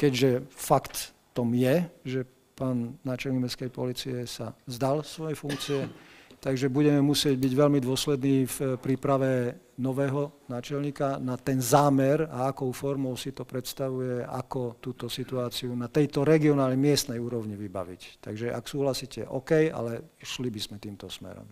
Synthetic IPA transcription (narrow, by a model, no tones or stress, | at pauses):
kɛɟʒɛfakt̪ː | ɔmjɛʒɛ | paːnːaːt͡ʃɛlɲimɛskɛjpɔliːt͡siɛsazd̪alsʋɔjɛfuŋkt͡siɛt̪aɡʒɛbuɟɛmɛmusɪɛɟbiɟʋɛʎmid̪ʊɔslɛd̪niːfpɾiːpɾaʋɛ | nɔʋɛːɦɔnaːt͡ʃɛlɲiːkanat̪ɛnzaːmɛɾaakɔʊfɔɾmɔʊsit̪ɔpɾɛt̪st̪aʋujɛa̰kɔt̪uːt̪ɔsit̪uaːt͡siunat̪ɛjt̪ɔɾɛɡiɔnaːlɲɛmɪɛst̪nɛjuːɾɔʊɲiʋiba̰ʋḭct̪a̰ɡʒɛʔa̰ksuːɦlasiːcʰɛ̰ʔɔ̰kɛja̰lɛʃlibizmɛt̪iːmt̪ɔsmɛ̰ɾɔ̰m